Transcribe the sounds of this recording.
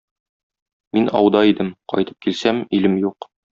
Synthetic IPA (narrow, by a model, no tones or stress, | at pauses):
minʔɒ̰wd̪ɑid̪ɘmqɒ̰jt̪ɤ̥p̚kilsæmilɘmjuq